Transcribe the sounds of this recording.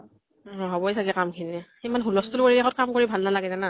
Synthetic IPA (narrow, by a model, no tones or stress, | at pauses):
ɔɦɔbɔjsakɛkamkʰinɛ | imanɦulɔstulpoɹiaxʰɔt̚kamkoɹibʱalnalaɡɛzɛna